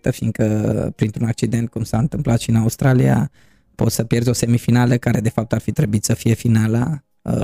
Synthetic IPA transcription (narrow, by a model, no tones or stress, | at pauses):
t̪əfind̪kəpɾint̪ɾunak̚t͡ʃid̪e̞nt̪̚kumsaɨnt̪ɨmplat̪ʃinaust̪ɾalia̰ | po̞t̪səpje̞rzʲo̞se̞mifinaləkaɾe̞d̪e̞fap̚t̪arfit̪ɾebuit̪səfije̞finala | ə